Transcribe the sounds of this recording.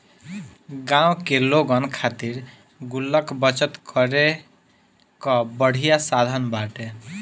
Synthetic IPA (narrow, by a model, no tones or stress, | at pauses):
ɡãw̃keloɡɔnkʰat̪iɾ | ɡulːəkbʌt͡ʃət̪kʰɔɾe | kɔbəɽ̤ʱijasad̪ʱənbaʈe